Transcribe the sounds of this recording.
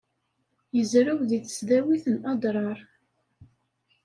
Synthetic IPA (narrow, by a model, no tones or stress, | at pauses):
jəzɾæwðiθə̥sðæwiθənɑd̪ˤɾˤɑɾˤ